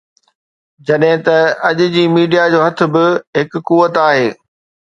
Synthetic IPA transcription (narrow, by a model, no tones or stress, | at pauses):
d͡ʑɐɗɦɪ̃t̪ɐɐʄʊ̆d͡ʑiːmiːɖijad͡ʑoːɦɐt̪ʰɪ̆bɪɦɪkːuːət̪aːɦeː